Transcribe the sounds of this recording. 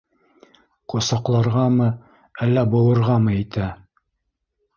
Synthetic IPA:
qŏsɑqlˠɑɾʁɑmɤ | ælːæbŏwɤ̆ɾʁɑmɤit̪æ

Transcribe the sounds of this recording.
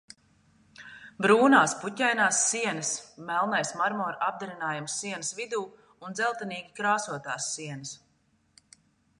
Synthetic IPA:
bɾuːnaːspucʲɛjnaːsːiɛnɐsmɛlˠnajsmaɾmɔːɾab̚d̪aɾinaːjamsːiɛnɐsvid̪uː | und̪zɛlˠt̪ɛniːɡʲikɾaːsuɔt̪aːsːiɛnɐs

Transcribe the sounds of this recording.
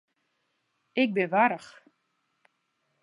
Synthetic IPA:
ɪk̚bɪnʋaɾəx

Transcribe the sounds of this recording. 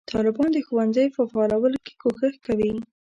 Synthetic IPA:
t̪ʰɑlɪbɑnd̪əxowanzəjpəfɑːlawəloke̥koxəxkawi

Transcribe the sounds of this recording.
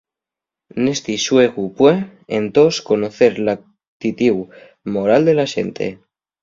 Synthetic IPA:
nest̪iʃweɣupweent̪oskonoθeɾla | t̪it̪iw | moɾald̪e̞laʃḛnt̪ʰḛ

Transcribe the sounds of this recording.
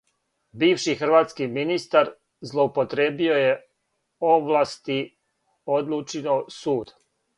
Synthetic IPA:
biːʋʃixr̩ʋaːt̪skiminist̪aɾ | zlˠo̞upo̞t̪ɾeːbio̞je̞ | oʋlˠast̪i | od̪lˠut͡ʃinosuːd̪̥

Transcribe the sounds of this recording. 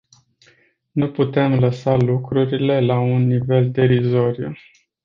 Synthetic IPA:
nuput̪e̞mləsalukɾuɾile̞launːive̞ld̪e̞ɾizo̞ɾju

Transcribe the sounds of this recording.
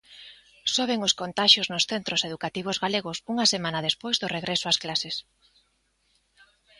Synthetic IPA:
soβ̞eŋʊskont̪aʃjoznʊsθent̪ɾoseðukat̪iβ̞ozɣaleɣ̞ʊsuŋasemãnɐðespojzðʊreɣɾesoasklases

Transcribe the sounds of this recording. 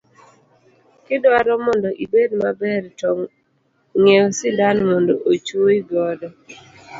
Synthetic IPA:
kɪdwaɾɔmɔndɔʔibedmabɛɾtɔ | ŋɛwsɪdanmondoʔot͡ʃuiɡɔdɔ

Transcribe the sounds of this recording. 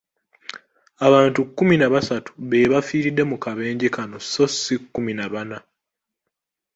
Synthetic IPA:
aβaːntukːuminaβasatu̥βe̞ːβafiːɾidːe̞mukaβe̞ːɲɟekano̞so̞sːikːuminaβana

